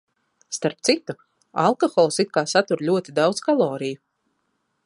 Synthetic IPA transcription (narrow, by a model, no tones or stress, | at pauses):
st̪aɾp̚t̪sit̪u | a̰lˠkɔxɔlˠsit̪̚kaːsat̪uɾlʲuɔt̪id̪awd̪z̥kalˠɔːɾiju